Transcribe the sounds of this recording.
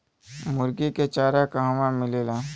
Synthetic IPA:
mʊɾɡiket͡ʃaːɾakaɦwãmɪleːlaː

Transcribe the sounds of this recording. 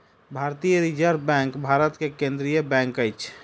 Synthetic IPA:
bʱaɾt̪ijəɾid͡ʒəɾbɛ̃ŋkbʱaɾət̪kekẽnd̪ɾijəbɛ̃ŋkəjt͡ʃʰ

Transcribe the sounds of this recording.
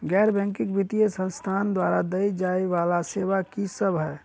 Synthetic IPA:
ɡɛɾbɛ̃ŋkikbit̪ijesə̃nst̪ʰand̪waɾad̪əjd͡ʒaeʋalaseʋakisəbʱɦɛː

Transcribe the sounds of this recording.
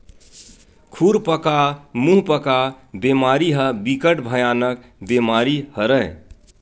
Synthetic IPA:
kʰuɾpəkamũɦpəka | bemaɾiɦəbikəʈbʱəjanək̚ | bemaɾihəɾəɪ

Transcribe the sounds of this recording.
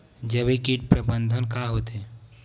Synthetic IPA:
d͡ʒəbikiʈ̚pɾəbə̃nd̪ʱənkaɦot̪e

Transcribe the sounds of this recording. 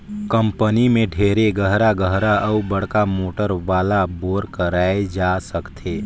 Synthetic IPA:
kə̃mpənimẽɖʱeːɾeɡəɦɾaɡəɦɾaʔɐubəɽ̤kamoːʈəɾʋaːlaboːɾkəɾaːed͡ʒasəkt̪ʰeː

